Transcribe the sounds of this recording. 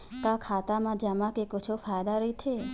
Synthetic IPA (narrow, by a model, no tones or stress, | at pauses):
kakʰat̪amãd͡ʒamãkekot͡ʃʰofajd̪aɾəit̪ʰe